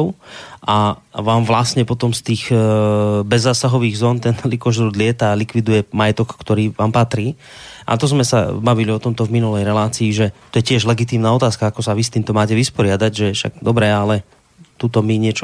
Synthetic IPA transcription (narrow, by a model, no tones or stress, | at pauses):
ʊʔaʋaːmʋlasɲɛpɔt̪ɔmst̪iːɣ | bɛzːaːsaɦɔʋiːɣzɔːnt̪ɛnlikɔʒɾuːd̪lɪɛt̪alikʋid̪ujɛmajɛt̪ɔkːt̪ɔɾiːʋaːmpat̪ɾiː | ʔa̰t̪ɔzmɛsa̰baʋiliɔt̪ɔmt̪ɔvminulɛjɾɛlaːt͡siːʒɛt̪ɔjɛcɪɛʒlɛɡit̪iːmnaːɔt̪aːskaakɔsaʋist̪iːmt̪ɔmaːcɛʋispɔɾɪad̪aɟʒɛʃa̰ɡ̚d̪ɔbɾɛalɛ | t̪ut̪ɔmiɲɪɛt͡ʃɔ